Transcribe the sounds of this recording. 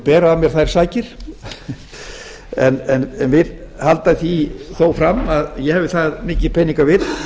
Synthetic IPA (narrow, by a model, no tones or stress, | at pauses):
pɛːɾaamjɛɾ̥θajɾ̥saːjcɪɾ̥ | ɛnɛnɛnvɪðhalt̪aθiθoːwfɾamaðjɛhɛːvɪθaðmɪːcɪpʰɛjniŋkavɪt̪